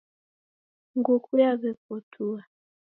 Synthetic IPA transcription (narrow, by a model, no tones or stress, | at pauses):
ŋɡukʰujaβɛp̚ɔtʰua